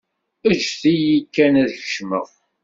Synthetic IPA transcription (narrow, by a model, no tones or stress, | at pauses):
əd͡ʒθijikːænæðlʃməʁ